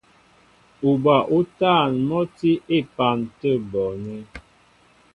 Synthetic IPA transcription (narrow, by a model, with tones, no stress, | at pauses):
u˨ba˨ʔu˦ta˦˨nmɔ˦ti˦e˦˨pa˨ntə˦bɔ˨nɛ˦